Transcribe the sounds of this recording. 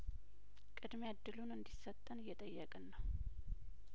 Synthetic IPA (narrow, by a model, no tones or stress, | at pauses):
kʼɨd̪mead̪ːɨlunɨnd̪isːət̪ʼːənɨjːɛt̪ʼəjːəkʼɨnːəw